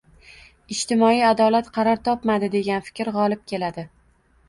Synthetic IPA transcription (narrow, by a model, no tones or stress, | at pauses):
ɪd͡ʒt̪ʰɪmɒijad̪ɒlat̪qʰɑɾɒɾt̪ʰɒpmad̪ɪd̪e̞ɡʲanfɪ̥kʲɾʁɒlˠɪp̚kʲe̞lad̪ɪ